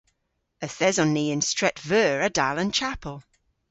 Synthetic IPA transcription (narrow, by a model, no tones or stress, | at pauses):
əθɛzɔ̃nːiːɪ̃nstɹ̥ɛtvɜːɹədalə̃nt͡ʃʰapʰəlˠ